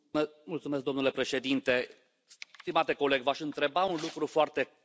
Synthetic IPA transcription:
mult̪sumesk̚d̪o̞mnule̞pɾe̞ʃe̞d̪int̪e̞ | st̪imat̪e̞ko̞le̞ɡvaʃɨnt̪ɾe̞baunlukɾufoart̪e̞

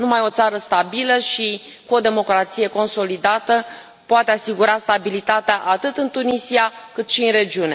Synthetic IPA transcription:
numajo̞t̪saɾəst̪abiləʃi | kuo̞d̪e̞mo̞kɾat̪sije̞ko̞nso̞lid̪at̪ə | poat̪e̞asiɡuɾast̪abilit̪at̪eaʔat̪ɨt̪ɨnt̪unisiakɨt̪ʃiɨnre̞d͡ʒiune̞̰

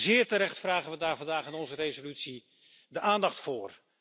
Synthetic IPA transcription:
zɪːɹtəɾɛχtfraːχənʋədaːɹvɑndaːχɪnɔnzərejzolytsi | dəʔaːndɑχtfʊːr

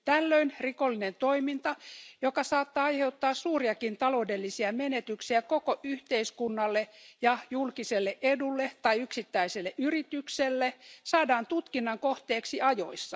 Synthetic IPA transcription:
t̪ælːøinrikolːinent̪oimint̪ɑjokɑsɑːt̪ːɑɑjhe̞ut̪ːɑːssuːriɑkint̪ɑloudelːisiɑmenet̪yksiækokoʔyht̪eiskunːɑlːejɑjulkiselːeʔʔedulːet̪ɑiyksit̪ːæiselːeʔyrit̪ykselːesɑːdɑːnt̪ut̪kinːɑŋkoht̪eːksiɑjo̰isːɑ

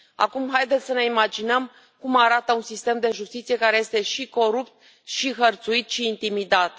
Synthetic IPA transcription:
a̰kumɦajd̪et̪sʲsəne̞imad͡ʒinəm | kumaɾat̪əunsist̪e̞md̪e̞ʒust̪it̪sije̞kaɾe̞je̞st̪e̞ʃiko̞ɾupt̪̚ | ʃiɦərt̪suit̪ʃiːnt̪imid̪at̪

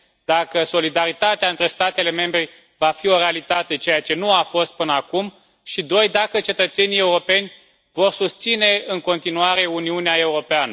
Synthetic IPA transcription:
d̪̥akəso̞lid̪aɾit̪at̪eaɨnt̪ɾe̞st̪at̪e̞le̞me̞mbɾe | vafio̞ɾe̞alit̪at̪e̞t͡ʃe̞jat͡ʃe̞nuafo̞st̪̚pɨnəakum | ʃid̪o̞jd̪akət͡ʃe̞t̪ət̪se̞nije̞uɾo̞pe̞nʲ | vo̞rsust̪sine̞ɨŋko̞nt̪inuaɾe̞uniuneae̞uɾo̞peanə

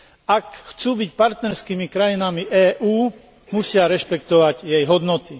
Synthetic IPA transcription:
akxt͡suːbicpaɾt̪nɛɾskiːmikɾajinamiʔɛːʔuː | musɪaɾɛʃpɛkt̪ɔʋaɟjɛjɦɔd̪nɔt̪i

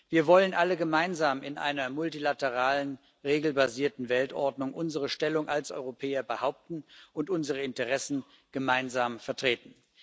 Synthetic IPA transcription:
viːɐvɔlənʔaləɡəmaɪnzaːmɪnʔa̰ɪnɐmʊltilatəʁaːlən | ʁeːɡl̩baziːɐtn̩vɛltʔɔ̰ɐdnʊŋʔʊnzəʁ̞əʃtɛlʊŋʔalsʔɔ̰ʏʁopʰɛːɐbəhaʊp̚tn̩ʊntʔʊnzəʁəɪntəʁɛsn̩ | ɡ̥əmaɪnzaːmfɛɐtʁ̥eːtn̩

